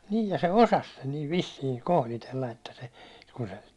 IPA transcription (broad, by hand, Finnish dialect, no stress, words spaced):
niː jɑ se osɑs sen niːʋ ʋisːiːŋ kohlitelːɑ etːæ se ku se